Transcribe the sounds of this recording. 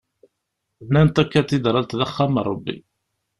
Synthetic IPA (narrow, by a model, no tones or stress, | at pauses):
nːænt̪ækːæt̪ːid̪ɾˤɑlt̪ðəχːæmrˤɑbːḭ